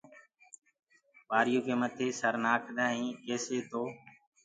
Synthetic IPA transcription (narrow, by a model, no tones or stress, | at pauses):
ɓaːɾɪjoːkeːmət̪ʰeːsəɾnaːkʰd̪ʱaːɦĩːkeːseːt̪oː